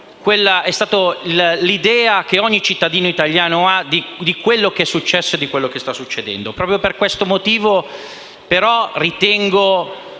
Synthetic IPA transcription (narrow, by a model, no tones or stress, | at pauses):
kwelːaɛst̪aːt̪ollid̪ɛːak̟eɔɲːit͡ʃit̪ːad̪iːnoit̪aljaːnoad̪id̪ikwelːokeɛsːut͡ʃːɛsːoed̪ikwelːokest̪asːut͡ʃːed̪ɛ̰nd̪opɾɔːpɾjoperkwest̪omot̪iːvo | peɾɔrit̪ɛŋɡo